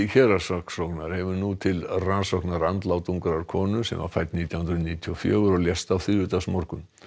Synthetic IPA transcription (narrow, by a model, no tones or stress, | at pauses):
çɛɾasɔksɔknaɾ̥hɛvʏnut̪ʰɪlransɔhknaɾant̪lawt̪uŋkɾaɾ̥kʰɔːnʏsɛ̰mva̰fajt̪niːt̪jawhʏnd̪ɾʏniːt̪ʰiɔfjœːɣʏɾɔljɛst̪awθʏɾvʏt̪asmɔɾkʏm